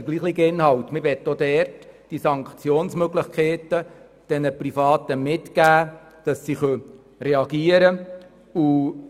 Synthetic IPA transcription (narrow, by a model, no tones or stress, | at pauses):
ɡ̥liːχlɪɡəɪnɦɑltməʋɛtːod̪ɛːrtd̥isɑŋkt͡sjoːnsmøɡlɪχkχeːtə | d̥ɛnəprifɑːtəmɪtɡ̥æː | d̥ɑsːiχœ | rɛɑɡiːəɾə | u